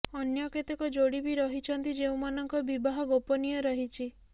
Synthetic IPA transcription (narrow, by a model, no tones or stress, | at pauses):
ɔnjɔket̪ɔkɔd͡ʒoɽibiɾɔɦit͡ʃʰɔnt̪id͡ʒeũmanɔŋkɔbibaɦɔɡopɔnijɔɾɔɦit͡ʃʰi